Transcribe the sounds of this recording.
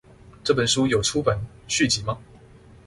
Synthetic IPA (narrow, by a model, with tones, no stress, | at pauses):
ʈ͡ʂɤ˥˩pə˨˩nʂu˥jo˨˩ʊʈ͡ʂʰu˥pə˨˩˦nɕy˥˩t͡ɕi˨˥mɐ˧